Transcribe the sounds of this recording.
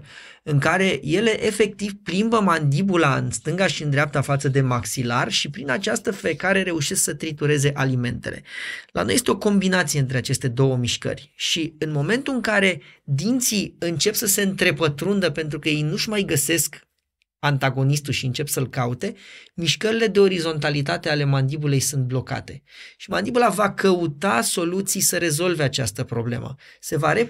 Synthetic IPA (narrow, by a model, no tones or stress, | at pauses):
ɨŋkaɾe̞je̞le̞ʔefe̞k̚t̪ivplimbəmand̪ibulaɨ̰nst̪ɨŋɡaʃiɨnd̪ɾeap̚t̪afat̪səd̪e̞maksilarʃipɾinat͡ʃast̪əfe̞kaɾe̞ɾe̞uʃesksət̪ɾit̪uɾe̞ze̞ʔalime̞nt̪e̞̰le̞̰lʔa̰nojest̪eo̞ko̞mbinat̪sije̞ɨnt̪ɾeat͡ʃe̞st̪e̞d̪o̞wəmiʃkə̰rʲʃiɨnmo̞me̞nt̪uɨŋkaɾe̞d̪int̪siɨnt͡ʃe̞psəse̞ɨnt̪ɾe̞pət̪ɾund̪əpe̞nt̪ɾukəje̞jnuʃmajɡəse̞sk | ant̪aɡo̞nist̪ulʃiɨnt͡ʃe̞psəlkaut̪e̞miʃkəɾile̞d̪e̞o̞ɾizo̞nt̪̬alit̪at̪e̞ale̞mand̪ibulejsunt̪̚blo̞ka̰t̪e̞ | ʃimand̪ibulavakəut̪aso̞lut̪sijsəɾe̞zo̞lve̞at͡ʃa̰st̪əpɾo̞ble̞̰mə̰ | se̞vaɾe